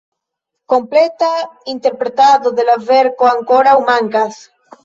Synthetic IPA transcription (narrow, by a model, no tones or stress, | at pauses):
ko̞mplet̪aint̪e̞ɾpɾet̪aðoðelaveɾkoaŋkoɾawmaŋkas